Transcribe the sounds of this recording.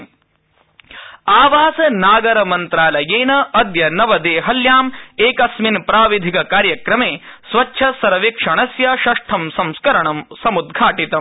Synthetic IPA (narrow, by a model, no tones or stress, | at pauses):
aːʋaːsɐnaːɡɐɾɐmɐnt̪ɾaːlɐjeːnɐɐd̪jɐnɐʋɐd̪eːɦɐljaːmeːkɐsminpɾaːʋid̪ʱikɐkaːɾjɐkɾɐmeːsʋɐt͡ʃːʃʰɐsɐɾɐʋikʂɐɳɐsjɐʃɐʂʈʰɐmsɐmskɐɾɐɳɐmsɐmud̪ɡʱaːʈit̪ɐm